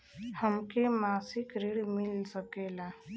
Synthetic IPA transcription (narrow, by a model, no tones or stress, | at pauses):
həmkemasikɾiɽmilt͡səkela